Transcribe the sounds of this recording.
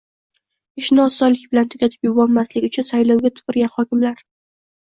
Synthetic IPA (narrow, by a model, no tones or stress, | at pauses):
ɪʃnɪɒsːɒlɪkʲbɪlant̪ʰʊkʲat̪ʰɪ̥pjʊbɒlmaslɪʊt͡ʃʰʊnsajlɒwɡʲat̪ʰʊ̥pɪɾɡʲanhɒkʲɪmlaɾ